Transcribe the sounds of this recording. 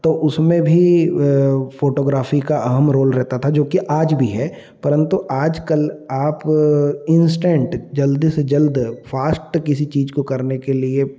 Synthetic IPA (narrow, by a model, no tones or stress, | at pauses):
t̪oʔʊsmẽbʱi | foːʈoːɡɾaːfikaʔɐɦəmɾoːlɾɛɦt̪at̪ʰad͡ʒoːkiʔaːd͡ʒbʱiɦɛː | pɐɾə̃nt̪uʔaːd͡ʒkɐlaːpɪ̃nsʈẽɳʈd͡ʒɐld̪sed͡ʒɐld̪faːsʈkɪsit͡ʃiːd͡ʒkokɐɾnekelie